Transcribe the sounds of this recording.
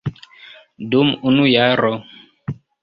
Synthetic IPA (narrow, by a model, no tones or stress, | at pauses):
dumunujaɾɔ